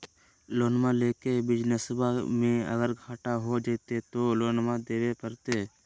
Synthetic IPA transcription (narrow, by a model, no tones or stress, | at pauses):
loːnmaleːkebɪd͡ʒnəsəbamẽə̰ɡəɾɡʱaːʈaɦod͡ʒeːt̪et̪oːloːnmãd̪eːwepəɾt̪eː